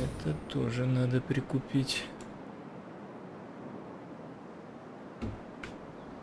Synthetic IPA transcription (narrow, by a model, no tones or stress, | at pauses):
ɛt̪ət̪oʐɨnad̪əpɾʲɪkʊpʲitʲ